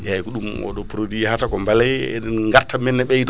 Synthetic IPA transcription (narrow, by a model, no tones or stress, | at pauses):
jaikuɗumʔɔ̰ɗɔpɾodihatakɔmbalajɛ̰ɛnŋɡaɾtːamɛnːɛɓɛjt